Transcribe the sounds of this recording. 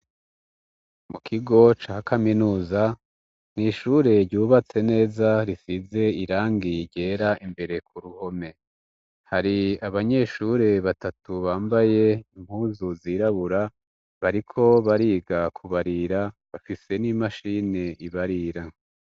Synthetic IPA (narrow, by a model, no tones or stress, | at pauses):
mukʰiɡo̞t͡ʃaːhakʰaminuːza | niʃuɾe̞ɾɟuːβat͡se̞ne̞ːzaɾisize̞iɾaːŋɡiɟe̞ːɾaʔimbe̞ɾe̞kuɾuho̞me̞ | haɾiaβaɲe̞ʃuːɾe̞βatatuβaːmbaje̞im̥huːzuziɾaβuɾa | βaɾikʰo̞βaɾiːɡakʰuβaɾiɾaβafise̞nimaʃine̞ʔiβaɾiɾa